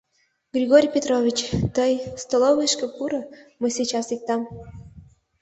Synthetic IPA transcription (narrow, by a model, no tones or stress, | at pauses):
ɡrʲiɣoɾʲpʲet̪rovʲit͡ɕt̪əjst̪olˠoβɨʃkepuɾə̆məsʲijt͡ɕɑsik̚t̪ɑm